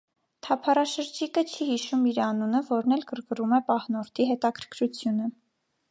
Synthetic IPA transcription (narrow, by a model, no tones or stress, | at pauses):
t̪ʰɑpʰɑrɑʃəɾd͡ʒikət͡ʃʰihiʃumiɾɑnunəvɔɾnɛlɡəɾɡrumɛpɑhnɔɾt̪ʰiɦɛt̪ɑkʰəɾkʰɾut͡sʰjunə